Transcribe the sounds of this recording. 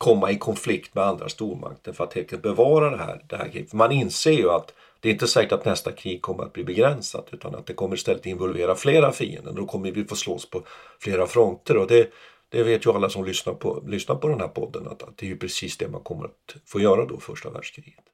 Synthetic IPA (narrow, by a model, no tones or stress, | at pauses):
kʰɔmːaɪkʰɔnflɪkt̪mɛand̪ɾa̰st̪uːɾma̰kt̪ənfœɾat̪hɛlkət̪̚bɛvɑːɾad̪ɛɦæ̰ːɾd̪ɛhæ̰ɾkʰɾḭːfœmanɪnseːɾjɵat̪ | d̪̥ɛɾɪnt̪əsɛːkəʈat̪nɛst̪akʰɾiːɡ̚kʰɔmːəɾat̪̚bliːbɛɡɾɛnsa̰d̪ʉ̟ːt̪ʰa̰na̰t̪̚d̪ɛkʰɔmːəɾɪst̪ɛlːət̪ɪnvɔlveːɾafleːɾafḭːə̰nd̪ə̰nd̪ɔkʰɔmːəvɪfoːsloːspʰɔfleːɾafɾɔnt̪əɾɔd̪ɛ | d̪̥ɛveːt̪jɵalːasɔmlʏsnaɾpʰɔ̰lʏsnaɾpɔd̪ɛnhæːɾpʰɔd̪ːəna̰t̪t̪̚d̪ɛjɵpʰɾɛsiːsd̪ɛma̰nkʰɔmːə̰ɾa̰t̪foːjœːɾad̪ɔfœʂʈa̰væ̰ːɖ̥ʂkʰɾiːɡ̥ə̥t̪